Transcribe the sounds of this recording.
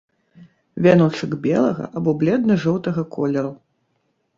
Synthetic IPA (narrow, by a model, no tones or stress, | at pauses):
vʲanɔt͡ʂɨɡbʲɛlˠɐ̰ɣɐ̰ʔabɔblʲɛd̪nɐʐɔwt̪ɐɣɐkʰɔlʲɛɾu